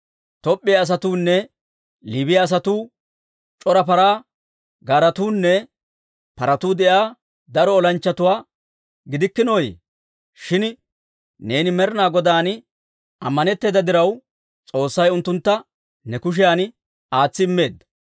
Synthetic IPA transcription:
t̪ɔpʼːɪjaːs̬ɐt̪uːnːɛ | liːbɪjaːs̬ɐt̪uː | t͡ʃʼɔɾɐpɐɾaː | ɡaːɾɐt̪uːnːɛ | pɐɾɐt̪uːd̪ɛʔjaː | d̪ɐɾɔːlɐnt͡ʃːɐt̪ʊwaː | ɡɪd̪ɪkːɪnɔjḛ | ʃɪn | ne̞ːnɪmɛɾnaːɡɔd̪aːn | ʔɐ̰mːɐnɛt̪ːeːd̪ɐd̪ɪɾɐw | t͡sʼo̞ːsːɐjʊnt̪ːʊnt̪ːɐ | nɛkʊʃ̬ɪjaːn | aːt͡sːɪɪmːe̞ːd̪ːɐ̥

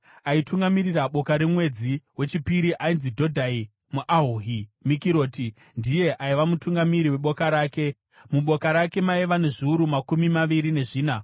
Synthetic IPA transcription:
aituŋɡamiriraɓo̞kaɾemwe̞d͡ziwe̞t͡ʃipiɾiʔainzidʱo̞dʱai | muʔaɦuɦimikiɾo̞ːti | ndije̞ʔaiʋamutuŋɡamiɾiwe̞ɓokaɾaːke̞ | muɓo̞kaɾake̞maiʋane̞ʐiuɾumakumimaʋiɾine̞ʐiːna

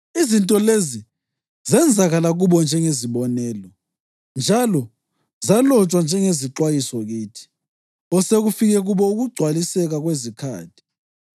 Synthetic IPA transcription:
izintʼɔlezi | zɛnd͡zʱaɣalaɣuβɔnd͡ʒʱɛŋeziβɔnɛːlɔ | nd͡ʒʱalɔ | zalɔt͡ʃʼwand͡ʒʱɛŋeziǁwajisɔɣiːtʰi̥ | ɔseɣufiɣɛɣuβɔuɣuɡ͡ǀʱwalisɛɣaɣwezikʰa̰ːtʰi̥

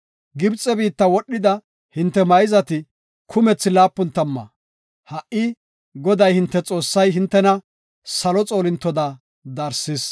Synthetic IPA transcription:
ɡɪbt͡sʼɛbiːt̪ːɐwɔɗːɪd̪ɐ | hɪnt̪ːɛmɐjɪzɐt̪ɪ | kʰʊmɛt͡sːɪlaːpːʊnt̪ːɐmːɐ̰ | hɐʔʔɪ | ɡɔd̪ɐjhɪnt̪ːɛt͡sʼo̞ːsːɐjɦɪnt̪ːɛnɐ | sɐlɔt͡sʼo̞ːlɪnt̪ːɔd̪ɐ | d̪ɐɾsɪs

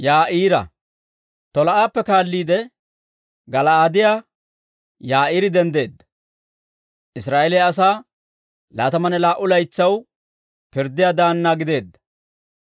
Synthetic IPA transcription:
jaːʔiːɾɐ̰ | t̪ɔlɐʔaːpːɛkaːlːiːd̪ɛ | ɡɐlɐaːd̪ɪjaː | jaːʔiːɾɪd̪ɛnd̪e̞ːd̪ːɐ̥ | ʔɪsɾaːʔɛlɛjɐs̬aː | la̰ːt̪ɐmɐnɛlaːʔʊlɐjt͡sːɐw | pɪɾd̪ːɪjaːd̪aːnːaɡɪd̪e̞ːd̪ːɐ̥

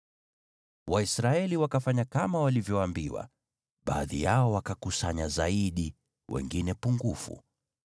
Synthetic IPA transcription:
waisɾaɛliwakafaɲakamawalivjɔwambiwa̰ | ɓa̰ːðḭjaɔwakakusaɲazaiɗi | wɛ̰ŋɡinɛpuŋɡufṵ

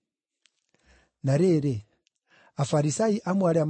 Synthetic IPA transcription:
naɾeɾe | afaɾisaiʔamwaɾɛam

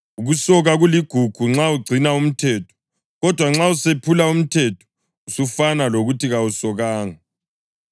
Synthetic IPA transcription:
uɣusɔɣaɣuliɡ̥ʱuɡ̥ʱuŋ͡ǁauɡ͡ǀʱinaum̩tʰɛːtʰɔ̥ | ɣɔd̥ʱwaŋ͡ǁausepʰulaum̩tʰɛtʰɔ̥ | usufanaloɣutʰiɣawusɔɣaːŋa

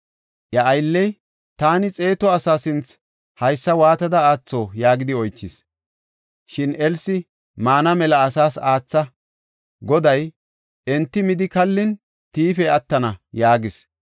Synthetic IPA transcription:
ʔjɐʔɐjlːɛj | t̪aːnɪt͡sʼe̞ːt̪ɔɐsaːsɪnt͡s | hɐjsːɐwaːt̪ɐd̪ɐaːt͡sːoːjaːɡɪd̪ɪɔjt͡ʃːɪs | ʃɪnɛlsɪ | maːnɐmɛlɐːsaːsaːt͡sːɐ | ɡɔd̪ɐj | ɛnt̪ːɪmɪd̪ɪkɐlːɪn | t̪iːfɛɐt̪ːɐnɐjaːɡɪs

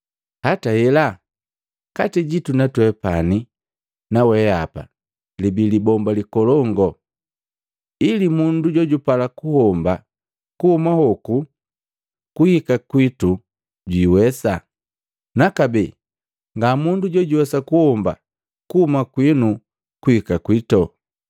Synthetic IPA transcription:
hatahɛla | katiɟitunatwɛpani | nawɛapa̰ | libilibɔmbalikɔlɔŋɡɔ | ilimunduɟɔɟupalakuhɔmba | kuhumahɔku | kuhikakwitu | ɟwiwɛsa | nakabɛ | ŋɡamunduɟɔɟuwɛsakuhɔmba̰ | kuhumakwinu | kuhikakwitɔ

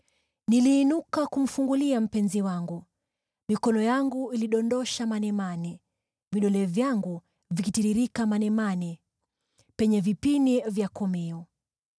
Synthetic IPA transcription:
niliːnukakum̩fuŋɡuliam̩pɛnziwaŋɡu | mikɔnɔjaŋɡuiliɗɔndɔʃamanɛmani | viɗɔlɛvjaŋɡu | vikitiɾiɾikamanɛmani | pɛɲɛvipinivjakɔmɛɔ

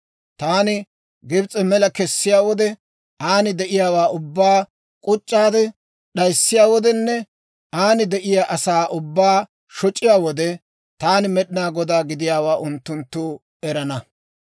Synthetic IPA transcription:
t̪aːnɪ | ɡɪbt͡sʼɛmɛlɐkɛsːɪjaːwɔd̪ɛ | aːnɪd̪ɛʔɪjaːwaːʔʊbːaː | kʼʊt͡ʃʼːaːd̪ɛ | ɗɐjsːɪjaːwɔd̪ɛnːɛ | ʔaːnɪd̪ɛʔɪjaːʔɐsaːʔʊbːaː | ʃɔt͡ʃʼːɪjaːwɔd̪ɛ | t̪aːnɪmɛɗɪnaːɡɔd̪aːɡɪd̪ɪjaːwaːʔʊnt̪ːʊnt̪ːu | ɛɾɐnɐ

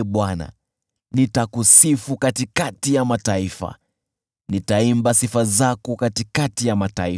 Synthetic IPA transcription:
ɓwana̰ | nitakusifukatikatijamataifa̰ | nitaimbasifazakukatikatijamatai

